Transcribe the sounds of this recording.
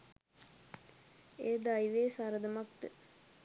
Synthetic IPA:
eːd̪ajʋeːsaɾəd̪əmak̚t̪ə

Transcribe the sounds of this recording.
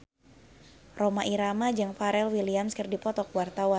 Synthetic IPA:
romaʔiɾamad͡ʒɨŋfaɾɛlwiliamskɨrdipɔt̪ɔkwart̪awa

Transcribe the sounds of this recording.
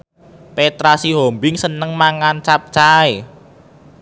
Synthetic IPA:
pet̪ɾasiɦombɪŋsənəŋmaŋant͡ʃap̚t͡ʃae

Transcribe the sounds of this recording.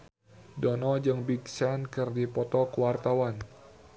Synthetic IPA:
dɔnɔd͡ʒɨŋbiɡsankɨrdipɔt̪ɔkəwart̪awan

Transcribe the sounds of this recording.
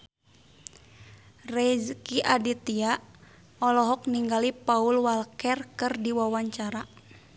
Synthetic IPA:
rɛzkiʔadit̪ia | ɔlɔɦɔk̚niŋɡalipaulwalkɛrkɨrdiwawaɲt͡ʃaɾa

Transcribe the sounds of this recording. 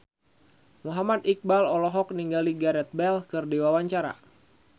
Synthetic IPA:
muɦamat̪ik̚balɔlɔɦɔk̚niŋɡaliɡaɾɛt̪̚bɛlkɨrdiwawaɲt͡ʃaɾa̰

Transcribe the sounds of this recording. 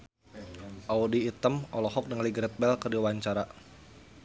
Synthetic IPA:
ʔaudiːt̪əmɔlɔɦɔk̚dəŋliɡɾət̪̚bɛlkərdiwaɲt͡ʃaɾa

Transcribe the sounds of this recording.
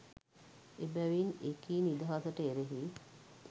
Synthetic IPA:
ebæʋinekiːnid̪əɦasəʈəeɾeɦi

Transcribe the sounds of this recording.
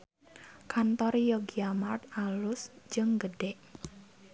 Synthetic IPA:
kʰant̪ɔrjɔɡiamart̪̚alʊsd͡ʒɨŋɡəɖɛʔ

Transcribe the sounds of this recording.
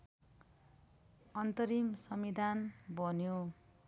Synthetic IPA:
ʌnt̪ʌɾimsʌmid̪ʱanbʱʌnjo

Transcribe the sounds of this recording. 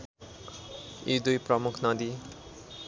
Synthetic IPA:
id̪ujprʌmukʰnʌd̪i

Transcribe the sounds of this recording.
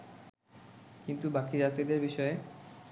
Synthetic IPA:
kint̪ubakid͡ʑat̪ɾid̪eɾbiʃɔe

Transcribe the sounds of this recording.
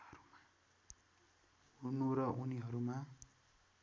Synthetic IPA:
ʌɾuma | unuɾʌʔuniɦʌɾuma

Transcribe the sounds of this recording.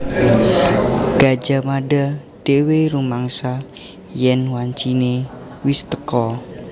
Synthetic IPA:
ɡ̥ad͡ʒamada | d̥eweɾumaŋsa | jɛnwaɲt͡ʃine | wist̪ə̥kɔ

